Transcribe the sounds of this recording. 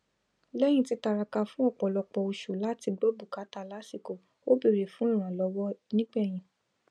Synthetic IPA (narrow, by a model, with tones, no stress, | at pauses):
lɛ˦j̃ĩ˦ti˧ta˧ɾa˧ka˧fũ˦ɔ˦˨k͡pɔ˨lɔ˧k͡pɔ˧o˧ʃu˨la˦ti˧ɡ͡bo˦bu˨ka˨˦ta˧˨la˦si˦˨ko˨ | o˦bi˦˨ɾe˨fũ˨˦ĩ˦˨ɾ̃ã˨lɔ˨˧˦wɔ˦nĩ˦ɡ͡bɛ˦˨j̃ĩ˨